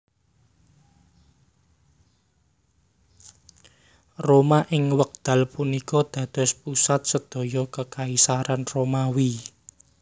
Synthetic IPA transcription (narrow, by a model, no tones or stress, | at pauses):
romaʔɪŋwək̚d̪̥ä̤lpunikɔd̪̥ä̤d̪̥ɔ̤spusat̪̚səd̪̥ɔ̤jɔkəkaisaɾanromawi